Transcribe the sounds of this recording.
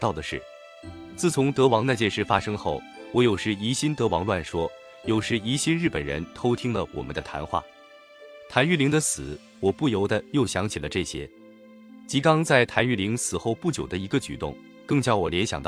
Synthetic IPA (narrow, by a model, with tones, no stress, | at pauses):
t̪ɑ˥˩ʊd̪ə˩ʂɻ̩̰˥˩ | t͡sɹ̩˥˩t͡sʰʊ˧˥ŋt̪ɤ˧˥wɑ˧˥ŋn˥˧t͡ɕjɛ˥˧nʂɻ̩˥˩fa˥ʂɤ˥ŋxo˥˩ʊ | wɔ˧˥jo˨˩ʊʂɻ̩˥˩i˧˥ɕi˥nt̪ɤ˧˥wɑ˧˥ŋlwa˥˩nʂwɔ˥ | jo˨˩ʊʂɻ̩˥˩i˧˥ɕi˥nɻ̩˥˩pə˨˩nɻə̰˧˥nt̪ʰo˥ʊt̪ʰi˥ŋlə˨wɔ̰˨˩mə˦nd̪ə˧t̪ʰa̰˧˥nxwa̰˥˩ | t̪ʰa˧˥ny˥˩li˧˥ŋd̪ə˧sɹ̩˨˩˦ | wɔ˨˩pu˥˩jo˧˥ʊd̪ə˧jo˥˩ʊɕjɑ˧˥ŋt͡ɕʰi˨˩lə˦ʈ͡ʂɤ˥˩ɕjɛ̰˥ | t͡ɕi˧˥kɑ˥ŋt͡sa˥˩ɪt̪ʰa˧˥ny˥˩li˧˥ŋsɹ̩˨˩xo˥˧ʊpu˥˩t͡ɕjo˨˩d̪ə˦i˧˥ɡə˧t͡ɕy̰˨˩t̪ʊ̰˥˩ŋ | kɤ˥˧ŋt͡ɕjɑ˥˩ʊwɔ˨˩ljɛ˧˥nɕjɑ˨˩ŋt̪ɑ˥˩